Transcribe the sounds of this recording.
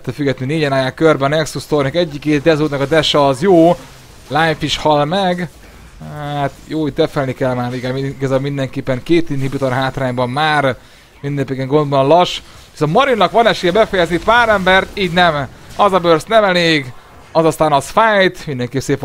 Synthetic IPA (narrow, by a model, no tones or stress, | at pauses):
t̪ːɛfyɡɛt̪nineːɟɛnaːjaːkørbɛnɛksust̪ornɛkɛɟːikeːt̪d̪ɛzuːt̪ɒkɒd̪ɛʃɛːzjoː | lajfiʃhɒlmɛɡ | at̪joːit̪ɛfɛlnikɛlmaːɾiɡamiɡɒzabmind̪ɛŋkeːpːɛŋkeːt̪inhibit̪onɦaːt̪raːɲbɒmmaːr | mind̪nepekɛŋɡo̞nd̪bɒnlɒʃ | ʋiso̞nt̪mɒɾinːɒkʋɒnɛʃeːjɛbɛfɛjɛznit̪paːɾɛmbɛrt̪iːɟnɛmɒzɒbørst̪nɛmɛleːɡ | ɒzɒst̪aːnɒsfajt̪mind̪ɛŋkeːpseːp